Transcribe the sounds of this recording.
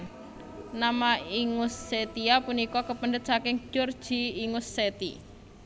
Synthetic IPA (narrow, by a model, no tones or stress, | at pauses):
namaiŋʊsːet̪iapunikɔkəpəndət̪̚sakɪŋ̥d͡ʒ̥ɔr̥ʒ̥iːŋusːet̪ḭ